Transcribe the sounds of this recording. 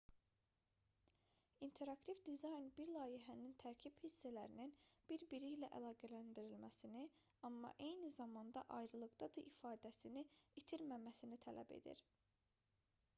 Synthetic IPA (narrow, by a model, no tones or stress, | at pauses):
int̪ʰe̞ɾɑkt̪ʰivd̪izɑjnbiɾlˠɑːjiɦænint̪ʰæɾcʰib̥hisːælæɾininb̥iɾbiɾijlæʔælˠɑːɡælænd̪iɾilmæsini | ɑmːɑ̰ʔe̞jnizɑmɑnd̪ɑ̰ʔɑjɾɯlˠɯɡd̪ɑd̪ɯʔifɑːd̪æsiniit̪ʰiɾmæmæsinit̪ʰælæ̰be̞̰d̪ḭɾ